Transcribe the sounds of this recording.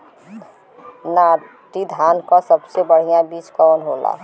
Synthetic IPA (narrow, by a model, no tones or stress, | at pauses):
na | ʈid̪ʱaːnkasəbsebəɽ̤ijãbiːt͡ʃkɔnɦola̰